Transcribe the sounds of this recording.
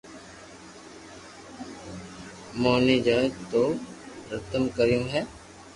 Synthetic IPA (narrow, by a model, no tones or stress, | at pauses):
moːnid͡ʒaːd͡ʒt̪oɾət̪əmkəɾjũɦɛː